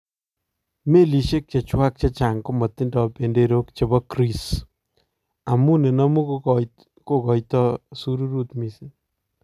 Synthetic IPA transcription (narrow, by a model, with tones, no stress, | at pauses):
me˦li˨ʃe˦k̚t͡ʃa˨t͡ʃwa˦k̚t͡ʃa˦t͡ʃa˨ŋko˦mɔ˨tɪ˦ndɔ˨pe˨nde˦ɾo˦kt͡ʃe˨bɔ˦kɾi˦s | a˨mu˦ne˨na˦mu˦ | ko˦kɔ˨jtɔ˦su˦ɾu˦ɾu˦tmi˨sɪ˦